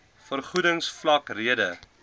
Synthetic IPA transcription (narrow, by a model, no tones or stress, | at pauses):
fərχudəŋsflɐkriədə